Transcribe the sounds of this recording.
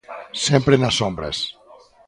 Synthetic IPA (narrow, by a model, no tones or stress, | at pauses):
sempɾenasombɾḛs